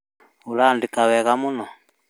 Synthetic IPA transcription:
ulandikaβɛɣamunɔ

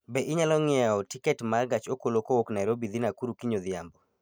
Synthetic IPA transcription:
beʔɪɲalɔŋɪɛɔtikɛtmarɡat͡ʃokolokooknaɛɾobid̪inakuɾukiɲoðɪambɔ

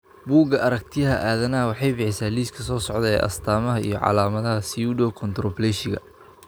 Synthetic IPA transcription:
buːɡɐʔɐɾɐk̚t̪ʰɪjɐɦɐʔaːðɐnɐwɑħɑjbɪħɪsaːliːskʰɐsɔːsɔʕd̪ɛɛʔɐ̰st̪ʰaːmɐɦɐḭjɔʕɑ̰laːmɐðɐɦɐsiuɖɔːkʰɔnt̪ɾɔplɛʃɪɣɐ̰

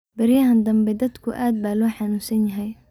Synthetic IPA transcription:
bɐɾjɐɦɐnd̪ɐmbɛd̪ɐd̪kʰʊʔaːd̪̚baːlɔːħanuːsɐnjɐɦɛj

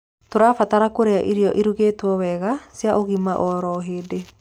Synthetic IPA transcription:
toɾaːfataɾakoɾeaʔiɾiɔʔiɾuɣeːtwɔwɛɣasiaʔoɣimaʔɔɾɔɦeːde

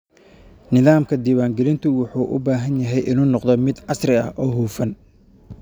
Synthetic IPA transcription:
nɪðaːmkʰɐd̪iːwaːŋɡɛlɪnt̪ʰʊwʊħuːʔʊ̰baːɦɐnjɐɦɛjʔɪnuːnɔqd̪ɔmɪd̪ʕɑsrɪɐ̰hʔɔːɦuːfɐn

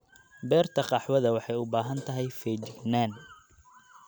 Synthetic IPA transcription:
bɛːrt̪ʰɐqɑħwɐðɐwɑħɑjʊbaːɦɐnt̪ʰɐɦɛjfɛːd͡ʒɪɡnaːn

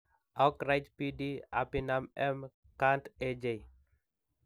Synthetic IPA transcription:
akɾajtpidia̰pinamɛm | kanted͡ʒe

